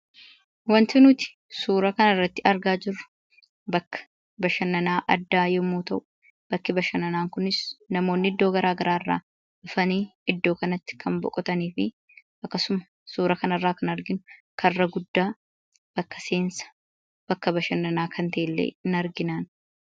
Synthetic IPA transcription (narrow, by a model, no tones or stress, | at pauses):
wɐnt̪ɪnʊt̪ɪ̥ | suːɾɐkɐnɐrːɐt̪ːɪɐɾɡaːd͡ʒɪrːʊ̥ | bɐkːɐ̥ | bɐʃɐnːɐnaːʔɐd̪ːaːjɛmːuːt̪ɐʔʊ̥ | b̥ɐkːɪbɐʃɐnɐnaːŋkʊnɪsnɐmo̞ːnːɪɪd̪ːo̞ːɡɐɾaːɡɐɾaːrːa̰ː | ʊfɐniːɪd̪ːo̞ːkɐnɐt̪ːɪ̥kʰɐmbɔ̰kʼɔt̪ɐniːfɪ | ʔɐkːɐsʊmɐ̥ | suːɾɐkɐnɐrːaːkɐnɐɾɡɪnʊkʰɐrːɐɡʊd̪ːaː | b̥ɐkːɐseːnsɐ̥ | b̥ɐkːɐbɐʃɐnːɐnaːkʰɐnt̪eɪlːḛːɪnɐɾɡɪnaːn